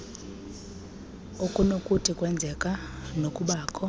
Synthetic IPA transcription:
ukʼunokʼutʰikʼwɛnd͡zʱɛkʼanokʼuɓaːkʼʰɔ

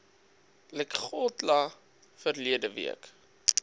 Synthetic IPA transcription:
lɛkχɔtla | fərliədəvḭək

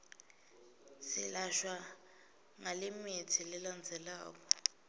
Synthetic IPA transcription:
sḭlaʃwa | ŋalɪmitʰilɪland͡zʱɛlaːkɔ

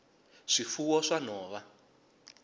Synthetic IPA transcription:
ʂifuwɔʂanɔːβa

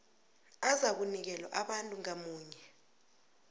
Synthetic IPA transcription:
azak̬unik̬ɛlwaʔaɓantʼuŋamuːɲɛ

